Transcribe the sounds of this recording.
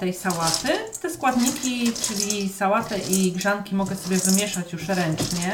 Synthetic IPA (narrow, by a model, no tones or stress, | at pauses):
t̪ɛjsawat̪ɘt̪ɛskwad̪ɲikʲit͡ʂɘlʲisawat̪ɛʔiɡʐaŋkʲimɔɡɛsɔbʲjɛvɘmʲjɛʂat͡ɕjuʂɾɛnt͡ʂɲɛ